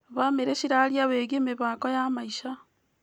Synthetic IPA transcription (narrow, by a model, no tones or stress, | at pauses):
βameɾeʃiɾaljaβeɡemeβakojamaiʃa